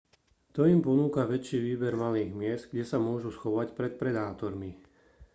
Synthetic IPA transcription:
t̪ɔimpɔnuːkaʋɛt͡ʃiːʋiːbɛɾmaliːɣmɪɛsd̪ɡɟɛsamʊɔʒusxɔʋacpɾɛt̪̚pɾɛd̪aːt̪ɔɾmi

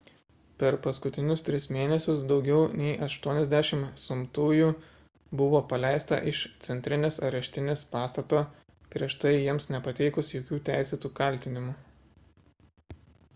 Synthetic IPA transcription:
pʲɛɾpɐskʊt̪ʲɪnʲʊst̪ʲɾʲɪsmʲeːnʲɛsʲʊsd̪ɒʊɡʲɛʊnʲɛɪʔɐʃt̪uɔnʲɛzʲd̪ʲæʃʲɪmsʊmt̪uːjuː | bʊʋoːpɐlʲɛˑɪst̪ɐ̰ʔɪʃt̪sʲɛnʲt̪ʲɾʲɪnʲeːsɐɾɐʃʲt̪ʲɪnʲeːspɑːst̪ɐt̪oː | pʲɾʲiɛʃt̪ɐɪjiɛmsnʲɛpɐt̪ʲɛɪkʊsjoːkʲuːt̪ʲæˑɪsʲeːt̪uːkɐlʲt̪ʲɪnʲɪmʊ

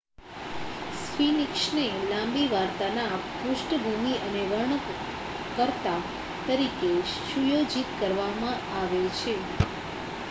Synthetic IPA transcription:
sfinikʃnelãmbiʋaɾt̪anapʊʃʈəbʱumiʔəneʋəɾɳə | kəɾt̪a | t̪əɾikeʃujod͡ʒit̪kəɾʋamã | aʋet͡ʃʰe

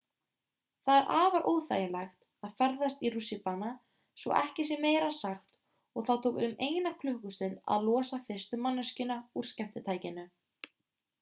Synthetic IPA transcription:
θaðɛɾʔaːvaɾʔoːwðθa̰ːjɪlɛxt̪ | aðfɛɾðast̪iɾusɪpana | svɔ̰ʔɛhcɪs̬jɛmeːjɾasaxt̪ | ɔɣθaðt̪ʰoːwkʏmeːjnakʰlʏhkʏst̪ʏnt̪a̰ðlɔːsafɪr̥st̪ʏmanːʏscɪnauɾ̥scɛm̥t̪ɪt̪ʰaːjcɪnʏ

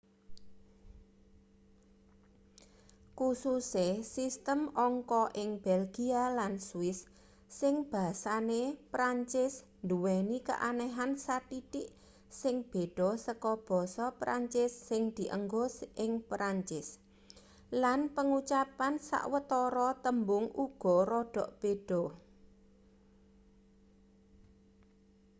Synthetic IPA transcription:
kususesist̪əmɔŋkɔʔɪŋb̥ɛlɡialanswɪsː | ɪŋb̥a̤sanepɾaɲt͡ʃɪs | nduwenikə̰ʔanɛɦansat̪iɖɪʔ | sɪŋb̥e̤ɖ̥ɔsəkɔb̥ɔ̤sɔpɾa̰ɲt͡ʃɪsːɪŋd̪̥i̤ʔəŋɡɔsʔɪŋpɾaɲt͡ʃɪs | lanpəŋut͡ʃapansa̰ʔwət̪ɔɾɔt̪əmbʊŋuɡ̥ɔ̤ɾɔɖ̥ɔʔb̥ed̥ɔ

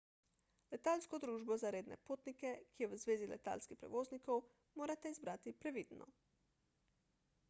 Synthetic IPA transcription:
lɛt̪aːlskɔd̪ɾuːʒbɔzaɾeːd̪nɛ̰poːt̪nikɛkijɛʋəzʋeːzilɛ̰t̪a̰ːlskixpɾɛ̰ʋoːznikow | moːɾat̪ɛizbɾaːt̪ipɾɛʋid̪nɔ̰

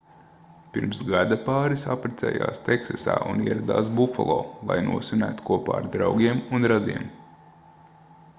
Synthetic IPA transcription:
piɾmsɡad̪apɑːɾisa̰pɾet̪sɛ̰ːja̰ːst̪eksasa̰ːuniɛɾad̪aːs̬bufalˠoːlˠa̰jnṵɔsunæːt̪u̥kuɔpaːaɾd̪ɾawɡʲiɛmunɾad̪iɛm

